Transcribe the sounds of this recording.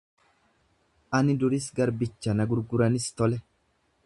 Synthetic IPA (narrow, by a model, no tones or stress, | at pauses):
ʔɐnɪd̪ʊɾɪsɡɐɾbɪt͡ʃːɐnɐɡʊɾɡʊɾɐnɪst̪ɔlɛ